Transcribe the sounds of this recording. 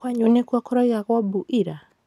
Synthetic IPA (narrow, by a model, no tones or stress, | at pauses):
waɲunɛkuakɔɾɔjaɣɔbuʔiɾa